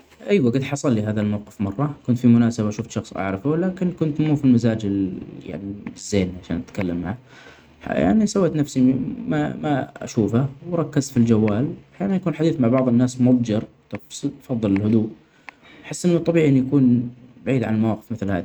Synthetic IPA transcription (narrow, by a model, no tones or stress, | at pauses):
ʔijwaɡad̪ħɑsˤɑlːiɦaːðalmawqɪfmɑrˤːɑkʊnt̪fimʊnaːsabaʃʊːft̪ʃɑxsˤʔɑ̰ʕɾɑfʊlaːkɪnkʊnt̪muːfilmazaːd͡ʒɪja̰ʕnibɪzːeːnʕaʃa̰ːnʔat̪kalːamːa̰ʕ | a̰ja̰ʕnisawːeːt̪nafsimamaa̰ʃuːfawɾˤɑkːɪzfild͡ʒawːaːlaħjaːnanjakuːnħad̪iːθmaʕbɑʕðˤɪnːaːsmʊb̪̚d͡ʒɑɾˤ | t̪ˤfsfɑðˤːɨlɪlhʊd̪uːʔ | ħɪsːʔɪnːʊt̪ˤːɑbiːʕʔɪnjakuːnbaʕiːd̪ʕa̰nalmawaːqɪ̥fmɪθlha̰ːði